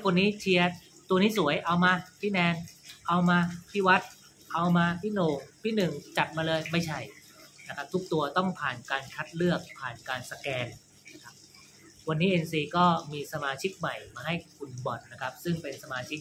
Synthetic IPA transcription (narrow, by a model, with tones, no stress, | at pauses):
kʰo˧nːiː˦˥t͡ɕʰi˧ɐ | t̪u˧ɐniː˦˥su˨˩˦jʔa˧wmaː˧t̪ʰiː˥˩nɛː˧nʔa˧wmaː˧t̪ʰiː˥˩wa˦˥t̪̚ | ʔa˧wmaː˧t̪ʰiː˥˩noː˨˩k̚t̪ʰiː˥˩nɯ˨˩ŋt͡ɕa˨˩t̪̚maː˧lɤː˧jma˥˩jt͡ɕʰa˥˩j | na˦˥kʰa˦˥p̚t̪ʰu˦˥k̚t̪u˧ɐt̪ɔ˥˩ŋpʰaː˨˩nkaː˧nkʰa˦˥t̪̚lɯ˥˩ək̚pʰaː˨˩nkaː˧nsa˧kɛː˧n | na˦˥kʰa˦˥p̚ | wa˧nːiː˦˥ʔe˧nsiː˧kɔː˥˩miː˧sa˧maː˧t͡ɕʰi˦˥k̚ma˨˩jmaː˧ɦa˥˩jkʰu˨˩nbɔ˨˩t̪̚na˦˥kʰa˦˥p̚sɯ˥˩ŋpe˧nsa˧maː˧t͡ɕʰi˦˥k̚